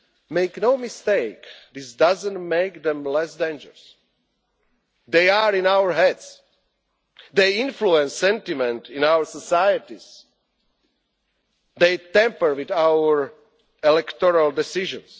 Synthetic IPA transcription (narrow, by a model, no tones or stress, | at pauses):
meɪknoʊmɪst̪eɪkðisdazə̃ntmeɪkðɛ̃mlɛsdẽnd͡ʒə˞əs | d̪eaɹĩnawəɹɦɛds | d̪eĩnfluɛ̃nsːɛ̃ntimɛ̃ntĩnawəɹsɔsajət̪iz̥ | d̪eɪt̪ɛ̃mpə˞wiðawəɹ | ɛlɛkt̪ɔɹaldɛsiʒə̰̃ns